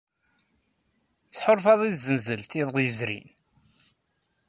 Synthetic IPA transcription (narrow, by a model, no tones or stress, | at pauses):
θħʊɾˤfɑðˤizənzəlt̪iðˤʁjəzɾḭn